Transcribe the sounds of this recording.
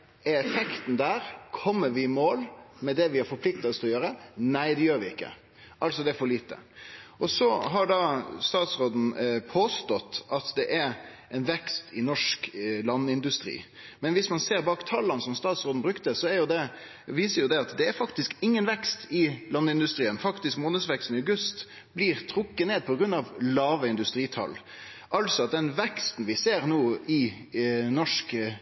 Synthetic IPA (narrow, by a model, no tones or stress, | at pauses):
ɛɾɛfɛkt̪n̩d̪æːɾkʰɔmːəɾʋɪmoːlmɛd̪ɛʋɪæɾfɔɾpʰlɪk̚t̪ɑɔsɔjøːɾənæɪd̪ɛjøːɾʋɪɪkːə̰ | ʔɑlsɔd̪ɛæɾfɔɭiːt̪ə̰ʔɔsɔɦɑɖɑːst̪ɑːt̪sɾoːd̪n̩pʰoːst̪ɔt̪ːɑt̪d̪ɛʔæɾ | ɛɪnʋɛkst̪ʰɪnɔʂklɑnːəɪnd̪ʉst̪ɾḭː | mɛnʋɪsmɑnseːɾbɑːkt̪ʰɑlːɑnsɔmst̪ɑːt̪sɾoːd̪n̩bɾʉkt̪əsɔæɾjʊd̪ɛ | ʋiːsəɾjʊd̪ɛɑt̪d̪ɛæɾfɑkt̪ɪskɪŋːənʋɛkst̪ʰɪlɑnːəɪnd̪ʉst̪ɾiːənfɑkt̪ɪskmoːnəd̪sʋɛkst̪n̩əɑɡʉst̪ | b̥liɾt̪ʰɾʊkːəneːd̪̚pʰɔɡɾʉnːɑʋlɑːʋəɪnd̪ʉst̪ɾiːt̪ʰɑ̰l | ʔɑlsɔɑt̪̚d̪ɛnʋɛkst̪n̩ʋɪseːɾnoːɪ | nɔʂk